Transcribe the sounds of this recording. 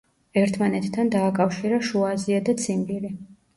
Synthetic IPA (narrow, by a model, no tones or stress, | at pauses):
ɛɾt̪ʰmanɛt̪ʰːand̪aːkʼafʃiɾaʃuaziad̪at̪sʰimbiɾi